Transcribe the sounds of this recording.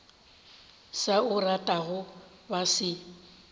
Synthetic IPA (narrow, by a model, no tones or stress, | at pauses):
saʊratʼaɣʊ | basɪ